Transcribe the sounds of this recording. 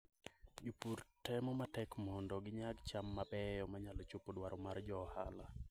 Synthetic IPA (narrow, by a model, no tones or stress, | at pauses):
d͡ʒupuɾtɛmɔmatɛkmɔndɔɡɪɲaɡt͡ʃamːapɛjɔmaɲalɔt͡ʃopɔdwaɾɔmard͡ʒɔha̰la